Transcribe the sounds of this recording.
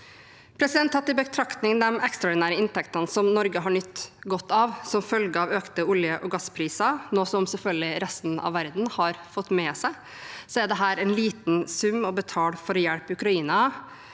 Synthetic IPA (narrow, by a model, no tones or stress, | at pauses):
pʰɾɛsɪd̪ɛnt̪hɑt̪ːɪbət̪ʰɾɑkt̪nɪŋd̪ɛmɛkst̪ɾɑɔːɖɪnæːɾəɪnt̪ʰɛkt̪ɑnsɔmnɔɾɡəɦɑɳʏt̪ːɡɔt̪ːɑʋsɔmfœlɡəɑːʋøːkt̪əʊljəʔɔɡɑsːpʰɾiːsɑnoːsɔmsɛlfœlɡəɪɾɛst̪n̩ɑ̰ʋːæɾd̪n̩hɑɾfɔt̪ːmɛsæɪ | sɔæɾd̪ɛɦæːɾæɪnliːt̪nsʉmːɔbət̪ʰɑːlfɔɾɔjɛɽpəʉkɾɑiːnɑ